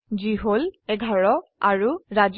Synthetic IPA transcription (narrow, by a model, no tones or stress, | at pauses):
ziɦolɛɡʱaɹɔaɹuɹaz